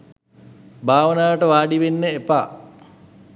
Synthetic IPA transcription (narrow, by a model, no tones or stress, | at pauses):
bʱaːʋənaːʋəʈəʋaːɖiʋenːəepaː